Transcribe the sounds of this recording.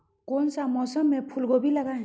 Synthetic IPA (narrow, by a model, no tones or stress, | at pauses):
konsamʌsʌmepʰulɡobilaɡa